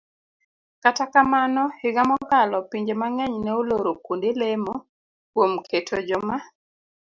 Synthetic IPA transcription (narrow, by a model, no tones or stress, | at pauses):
katakamanɔhɪɡamɔɡalɔpiɲd͡ʒemaŋɛɲnɛoloɾokundelemo | kwomkʰetʰod͡ʒɔma